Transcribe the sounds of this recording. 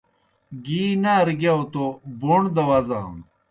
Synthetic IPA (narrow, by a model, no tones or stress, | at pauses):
ɡiːnaɐɾɡjaot̪oboɳd̪ɐwɐzã̰ː